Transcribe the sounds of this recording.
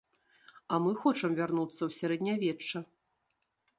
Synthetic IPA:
ɐmɨxɔt͡ʂɐmvʲarnut̪sːɐwsʲaɾɛd̪ʲnʲavʲɛt͡ʂːɐ

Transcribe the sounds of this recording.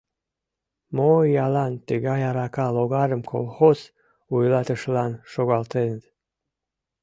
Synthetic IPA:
mojɑlɑnt̪əɣɑjɑɾɑkɑloɣɑɾəmkʰo̰lˠxoz | ujlˠɑt̪əʃlɑnʃoɣɑlt̪enəd̪

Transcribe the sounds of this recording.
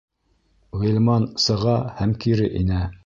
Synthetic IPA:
ʁilʲmɑnsɤ̆ʁɑhæmkiɾɘʔinæ

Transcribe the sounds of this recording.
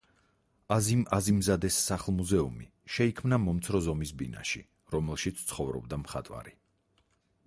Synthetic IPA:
azimazimzad̪ɛsːaχlˠmuzɛṵmḭ | ʃɛikʰmnamɔmt̪sʰɾɔzɔmisbina̰ʃḭ | ɾɔmɛlˠʃit̪sʰt̪sʰχɔvɾɔ̰b̚d̪amχat̪ʼwa̰ɾi

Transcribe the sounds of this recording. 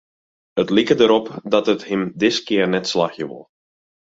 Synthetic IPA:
ətlikədəɾɔpdɑtəthɪmdɪskɪːrnɛtslaxjə̰ʋɔ̰lˠ

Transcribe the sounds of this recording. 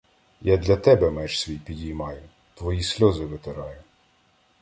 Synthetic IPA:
jad̪lʲɐt̪ɛbɛmɛʒsʲʋʲijpʲidʲijmɑjʊ | t̪ʋɔjisʲlʲɔzɪʋɪt̪ɪɾɑjʊ

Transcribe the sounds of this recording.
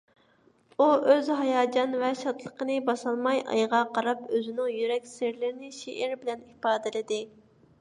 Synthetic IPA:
uʔøzɦɑjɑːd͡ʒɑnvɛʃɑt̪ʰlˠəqənɨbɑsɑlˠmɑjʔɑ̰jʁɑqɑɾɑpøzɪnɪŋjyɾɛkʲsɪɾlɪɾɪnɪʃeʔɪɾbɪlɛnipɑːd̪ɪlɪd̪ɪ

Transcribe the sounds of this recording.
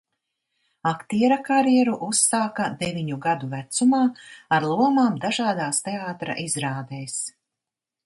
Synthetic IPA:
akt̪iɛɾakaɾjɛɾuʔusːaːkad̪ɛviɲuɡad̪uvæt̪sumaːaɾlˠuɔmaːmd̪aʒaːd̪aːst̪eaːt̪ɾa̰ʔizɾaːd̪eːs

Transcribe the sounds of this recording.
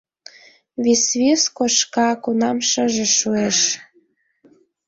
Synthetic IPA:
βisβeskoʃkɑkunɑmʃə̆ʒĕʃueʃ

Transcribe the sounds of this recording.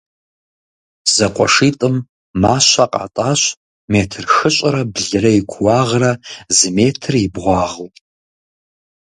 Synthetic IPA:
z̥ɐqʷʼɔ̰ʂitʼɨmː | aːʃʷaqʼa̰tʼaɕʷ | metʰɨrxɨɕʷʼɐɾɐbɮɨrɐikʷʰwaʁrɐzmeːtʰɨribʁʷɑːʁutʼ

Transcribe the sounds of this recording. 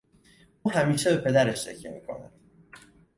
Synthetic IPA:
ʔuːɦæmiːʃebe̞pʰe̞d̪æɾeʃtḛcʰjḛmḭːkʰo̞̰næ̰d̪̥

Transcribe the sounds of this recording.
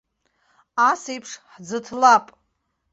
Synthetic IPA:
asejpʰʂħd͡zɨtʰlapʼ

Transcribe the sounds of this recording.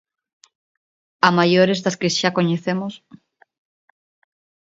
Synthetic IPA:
amajoɾezðaskesʃakoɲeθemos

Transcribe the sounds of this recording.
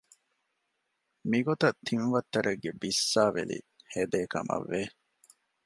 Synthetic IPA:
miɡot̪ɐt̪ʰːinʋɐt̪ːɐɾɐɡːebisːaːʋḛlḭ | hed̪eːkɐ̰mɐ̰ʋːe

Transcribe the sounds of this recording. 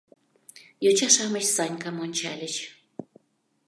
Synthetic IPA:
jot͡ɕɑʃɑmət͡ɕsɑnʲkɑmonʲt͡ɕɑlʲə̆t͡ɕ

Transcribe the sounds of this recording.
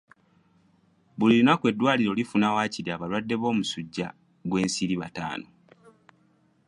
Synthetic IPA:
βuliɾinakwe̞dːwaːliɾo̞lifunawaːciɾiaβalwadːe̞βo̞ːmusuɟːa̰ | ɡwe̞ːnsiɾiβata̰ːno

